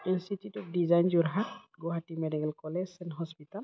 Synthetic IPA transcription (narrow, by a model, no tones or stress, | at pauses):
ɛnsititɔp̚dizajnd͡ʒuɾɦat̪̚ɡɔɦatimedikɛlkɔlɛsɛnɦɔspital